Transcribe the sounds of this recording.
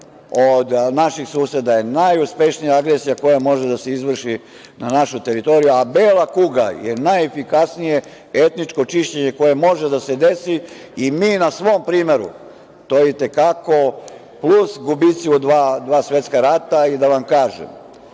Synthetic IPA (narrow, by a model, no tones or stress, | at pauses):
od̪naʃixsuːsed̪aje̞najuspe̞ʃnijaaɡɾesijako̞jamo̞ʒed̪ase̞izʋr̩ʃi | nanaʃut̪e̞ɾit̪o̞ɾijuabeːlˠakuɡa̰je̞najefikasnije̞ | e̞t̪nit͡ʃko̞t͡ʃiʃt͡ɕe̞ɲe̞ko̞je̞mo̞ʒed̪ase̞d̪e̞si | imiːnasʋoːmpɾiːme̞ɾṵ | t̪ojit̪e̞kako̞ | plusɡubit̪siud̪ʋaːd̪ʋaːsʋje̞t̪skaɾat̪aid̪aʋamkaːʒḛm